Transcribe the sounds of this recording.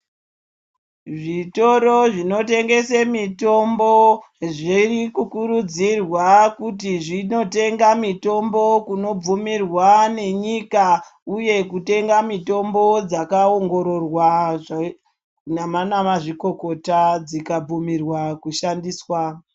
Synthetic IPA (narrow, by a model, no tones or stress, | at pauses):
ʐito̞ɾoʐino̞te̞ŋɡe̞semito̞mbo | ʐirikukuɾud͡zirwakut̬iʐino̞te̞ŋɡamito̞mbo̞kuno̞b͡vumirwane̞ɲikauje̞kute̞ŋɡamito̞mbo̞d͡zakaoŋɡo̞ɾo̞rwaʐ | namanamaʐiko̞ko̞tad͡zikab͡vumirwakuʃandiːswa